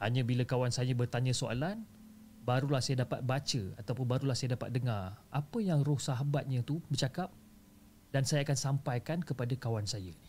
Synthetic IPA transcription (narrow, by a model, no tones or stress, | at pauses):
haɲə̃bilakawansajəbərt̪aɲə̃soa̰lan | baɾulahsajadapa̰t̪̚bat͡ʃəat̪awpʊnbaɾulahsajadapa̰t̪̚dəŋarʔapəjaŋrʊhsaɦabat̪̚ɲə̃t̪ubərt͡ʃakap̚ | d̥ansajaakansampajkankəpadakawansajə